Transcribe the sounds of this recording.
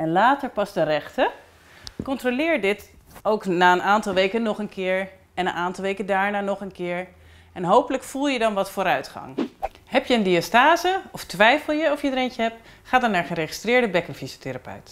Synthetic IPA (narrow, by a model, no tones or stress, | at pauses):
ɛnlaːtəɹpɑzdərɛχtə | kɔntrolɪːɹdɪt | owknaːənʔaːntɑlˠʋejkənɔχənkɪːɹ | ɛnənʔaːntɑlˠʋejkəndaːɹnaːnɔχənkɪːɹ | ɛnɦowpələkfulˠjədɑnʋɑtfoːɾœɥtχɑ̰ŋ | hɛpjəəndiastaːzəɔftʋɛjfəlˠjəɔfjəidəɾejncəɦɛp̚t | χaːdɑɹnaːɹχəɾeχi̥strɪːɹdəbɛkənfizoteɾapœ̰ɥt